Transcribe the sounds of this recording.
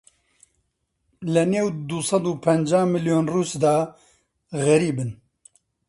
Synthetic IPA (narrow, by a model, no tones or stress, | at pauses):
lɛneːwd̪usɑd̪uːpʰɛnd͡ʒaːmɨljoːnruːsd̪aː | ɣɛɾiːbɨn